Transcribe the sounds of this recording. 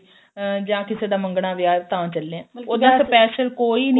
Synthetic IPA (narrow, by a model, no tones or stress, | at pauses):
d͡ʒãːkɪseːd̪aːmə̃ŋɡɳaːʋɪjaːt̪ãːt͡ʃəlːeɛ̃ːoːd̪aːsəpɛːʃəlkoːiːn